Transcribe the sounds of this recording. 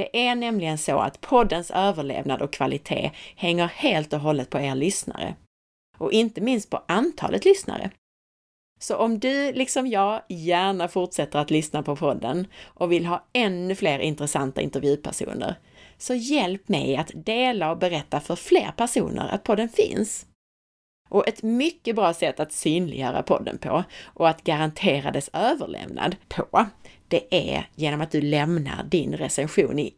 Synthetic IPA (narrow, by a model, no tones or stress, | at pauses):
d̪̥ɛʔæɳɛmlɪɡənso̰a̰t̪pʰɔd̪ːənsøːvəɭḛːvnad̪ɔkʰːvalɪt̪ʰḛːhɛŋːəɾheːlt̪ɔɦɔlːət̪̚pʰɔeːɾlʏsna̰ɾə̰ | ʔɔʔɪnt̪əmɪnst̪̚pʰɔʔant̪ʰɑ̰ːlʔət̪lʏsna̰ɾə̰ | sɔʔɔmd̪ɵlɪksɔmjɑːɡjæːɳafʊʈʂɛt̪ːəɾat̪lʏsnapʰɔpʰɔd̪ːənʔɔvɪlɦɑːɛnːɵfleːɾʔɪ̰nt̪ɾɛsant̪aʔɪ̰nt̪əɾvjʉ̟ːpʰæʂṵːnə̰ɾ | sɔjɛlpmɛ̰jat̪d̪eːlaɔbɛɾɛt̪ːafœɾflḛːɾpʰæʂṵːnə̰ɾa̰t̪̚pʰɔd̪ːənfɪ̰ns | ʔɔʔɛt̪mʏkːəbɾɑːsɛt̪ːat̪syːnlɪ̰jœːɾa̰pʰɔd̪ːə̰npʰɔʔɔat̪ɡaɾant̪ʰeːɾa̰d̪ɛsøːvəɭɛ̰vna̰d̪pʰɔd̪̥ɛʔæ̰jeːnɔmat̪̚d̪ɵlɛmna̰ɾɖɪnɾɛsɛnɧuːnɪ